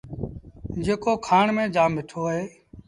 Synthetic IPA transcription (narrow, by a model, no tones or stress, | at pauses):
d͡ʒeːkoːkʰaːɳmẽːd͡ʒaːmʋɪʈʰoːɦeː